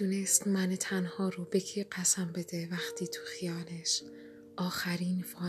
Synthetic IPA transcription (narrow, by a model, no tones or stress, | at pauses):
unest̪mænet̪ʰænhɒːɾobecʰiɢæsæmbe̞d̪evæxt̪ʰiːt̪ʰu̥xijɒːleʃ | ʔɒːxæɾiːnfɒː